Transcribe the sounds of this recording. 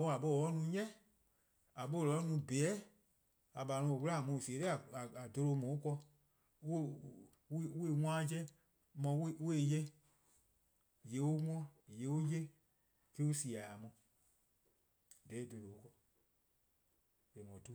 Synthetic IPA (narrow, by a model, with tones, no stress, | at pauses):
o˧˦a˨ɓo˦˨ɔ˨˦nũ˦ɲɛ̃˦ | a˨ɓo˦˨lɔ˨˦nũ˨˧bɛ˨˦ | a˨ɓa˨nɔ̃˧o˨wu˦la˦˨mũ˧˨si˨e˨te˦a˨a˨a˨do˧lo˧˦mɔ̃˨o˦kɔ˧˦˨ | we˦˨wʷãː˦d͡ʒɛ˦ | mɔ̃˧we˦we˦˨jɛ˦ | je˨˦o˦ŋɔ̃˦je˨˦o˦je˦ | ke˦u˦si˨a˨a˨mɔ̃˧ | dɛ˨˦e˦˨do˧lo˨˦kɔ˧ | e˨mɔ̃˨tu˦